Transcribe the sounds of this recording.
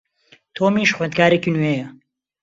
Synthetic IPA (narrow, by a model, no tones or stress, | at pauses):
t̪ʰoːmiːʃχwend̪̚kaːɾekinwejɐ